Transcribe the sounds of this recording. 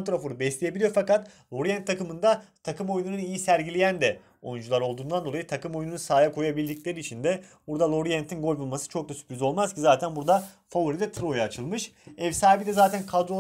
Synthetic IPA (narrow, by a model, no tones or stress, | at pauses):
t̪ɾofoɾubɛslʲeje̞bilʲijo̞ɾfakat̪lˠo̞ɾijɛnt̪ʰːakɯmɯnd̪at̪ʰakɯmo̞jununɯnijisæɾɟilʲejænd̪ɛ | o̞̰jund͡ʒulˠaɾo̞lˠd̪uːnd̪and̪o̞ajit̪ʰakɯmo̞jununusaːjakʰo̞jabilʲd̪icʲlʲe̞ɾiːt͡ʃʰind̪ɛbuɾd̪alˠo̞ɾijɛnt̪ʰinɡo̞lʲbulˠmasɯ̥t͡ʃʰo̞k̚d̪asy̥pɾʲizo̞lˠmaz̥cʰizaːt̪ʰænbuɾd̪a | favuɾid̪ɛt̪ʰɯɾo̞jaːt͡ʃʰɯlˠmɯʃ | ɛvsaːbid̪ɛzaːt̪ʰænkʰad̪ɾo̞